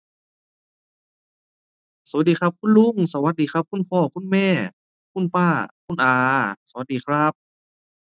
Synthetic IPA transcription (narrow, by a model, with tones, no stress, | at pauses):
sa˨˧˦t̪̚diː˨˩kʰa˦˧˥p̚kʰu˧˥˨nlu˧˥˨ŋsa˧wa˧t̪̚diː˨xʰa˧˥p̚kʰu˧˥˨npʰɔː˧˩kʰu˥˨nmɛː˧˩˨ | kʰu˧˥˨npaː˧˥˩kʰu˧˥˨nʔaː˨˧sa˧wa˧˦t̪̚diː˨˩kʰɾa˦˥p̚